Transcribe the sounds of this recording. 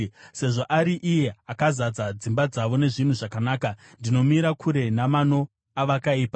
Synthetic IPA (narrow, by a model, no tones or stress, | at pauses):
se̞ʐo̞ʔaɾiʔije̞akazad͡zad͡zimbad͡zaʋo̞ne̞ʐin̤uʐakanaːka | ndino̞miɾakʰuɾe̞namano̞ | aʋakaiːpa